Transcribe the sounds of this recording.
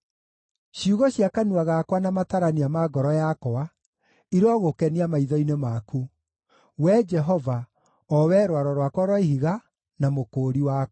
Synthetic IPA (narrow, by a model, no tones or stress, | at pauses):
ɕjuɣɔɕjakanuaɣakwanamataɾaniamaɡɔɾɔjakɔa | iɾɔɣokɛniamaiðɔinemaku | wɛd͡ʒɛɦɔva | ɔwɛɾwaɾɔɾwakwɔɾwɔiɦiɣa | namokoːɾiwa